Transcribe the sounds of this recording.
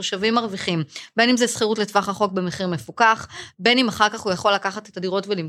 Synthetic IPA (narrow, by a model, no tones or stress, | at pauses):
oʃavimːaʁviχimbe̞nimzesχiʁutletvaχaχo̞k̚bemeχiʁmefukaχbe̞nimaχaʁkaχujaχo̞lːakaχatetadiʁo̞tvelim